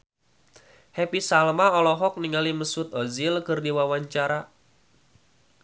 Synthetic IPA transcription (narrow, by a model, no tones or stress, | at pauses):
hɛpisalmaɔlɔɦɔk̚niŋaliməsut̪̚ɔzilkɨrdiwawaɲt͡ʃaɾa